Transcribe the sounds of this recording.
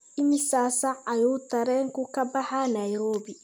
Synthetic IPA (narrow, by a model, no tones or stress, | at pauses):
ɪmɪsaːsɐɐjuːt̪ɐɾɛːŋkʊkɐbɐħanɐjɾɔːbi